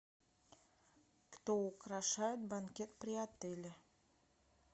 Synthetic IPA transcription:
kt̪oukɾɑʃɑjʊt̪̚bankʲet̪pɾʲɪɑt̪elʲe

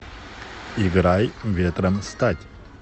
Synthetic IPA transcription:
iɡɾajʋʲet̪ɾəmst̪atʲ

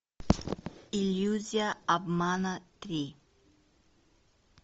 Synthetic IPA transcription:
iluzjaːbmanat̪ɾi

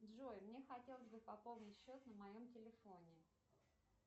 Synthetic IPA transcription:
d̪ʐojmnʲe̞xɐtʲe̞lˠəzʲbɨpɐpo̞lˠnʲɪtʲɕːo̞t̪nəmɐjo̞mtʲɪlʲɪfo̞nʲɪ

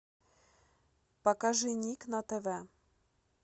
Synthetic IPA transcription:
pɐkaʐɨnʲiknɐt̪ɛvɛ

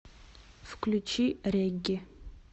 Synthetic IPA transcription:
fkʰlʲut͡ʃʰireɡʲɪ

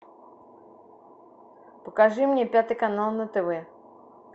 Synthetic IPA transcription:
pəkaʐɨmnʲɛpʲat̪ɨkanalˠnɐt̪ɛvɛ

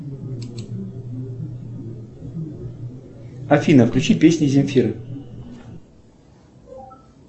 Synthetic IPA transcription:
ɐfʲinəfklʲʉt͡ɕipʲesʲnʲɪzʲɪmʲfʲiɾɨ

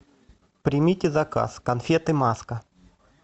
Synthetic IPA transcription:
pɾʲɪmʲitʲɪzɐka̰skɐnfʲet̪ɨmaskə

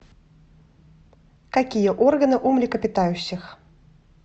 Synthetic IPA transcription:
kakʲijəʔɔrɡənɨʔumlʲɪkəpʲɨt̪ajʉɕːɪx

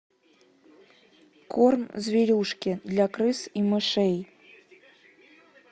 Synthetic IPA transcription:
kʰornzʲvʲiɾʲuʂkʲid̪lʲakɾɨsimɨʂɛj

